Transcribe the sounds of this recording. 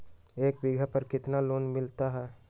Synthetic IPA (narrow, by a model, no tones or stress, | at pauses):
eːkbɪɡʱəpɐɾkɪt̪naloːnmɪlt̪aɦɛː